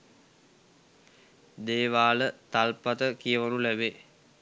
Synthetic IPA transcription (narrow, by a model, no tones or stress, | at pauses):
d̪eːʋaːlət̪alpat̪əkijəʋanulæbe